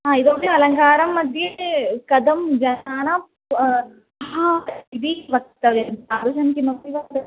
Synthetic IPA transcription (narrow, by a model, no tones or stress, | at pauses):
ɦaːid̪oːʈeɐlɐŋkaːɾɐmːɐd̪ʱjɐkɐd̪ɐmd͡ʒɐnaːnɐ | ɦaid̪iʋɐk̚t̪ɐʋɐnaːɾuʃɐnkimɐbiʋɐt̪ɐ